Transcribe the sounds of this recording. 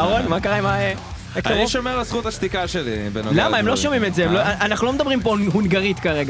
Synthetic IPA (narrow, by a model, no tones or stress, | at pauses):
aʁonmakaʁajmae | ekaniʃomeʁlesχut̪aʃt̪ikaʃelḭbḛnolamaemlo̞ʃomimetzeemloaanaχnuloed̪abʁimpoɦunɡaʁit̪kaʁeɡa